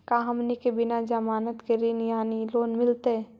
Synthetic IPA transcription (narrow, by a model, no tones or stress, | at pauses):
kaːɦɐmnikebɪnad͡ʒəmaːnət̪keɾinjaːniloːnmɪlt̪e